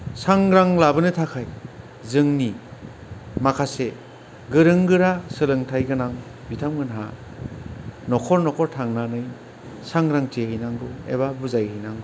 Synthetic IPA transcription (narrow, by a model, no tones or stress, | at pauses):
saŋɾaŋlabɯnɯtʰakʰaj | zɯŋni | makʰase | ɡɯɾɯŋɡɯɾasɯlɯŋtʰajɡɯnaŋ | bitʰamɡɯnɦa̰ | nɔkʰɔɾnɔkʰɔɾtʰaŋnanɯj | saŋɾaŋtehɯjnaŋɡɯḛβabuzajɯjnaŋ